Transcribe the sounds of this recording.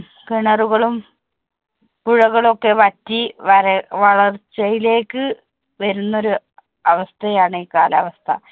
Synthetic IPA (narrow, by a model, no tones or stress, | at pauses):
kiɳɐruɣɐɭum | puɻɐɣɐɭo̞kːe̞ʋɐtːiɐɾʋɐɭɐrt͡ɕɐjile̞ːkːɨ | ʋɐɾunːo̞ɾu | ɐʋɐst̪ʰɐjaːɳɨiːkaːlaːʋɐst̪ʰɐ̰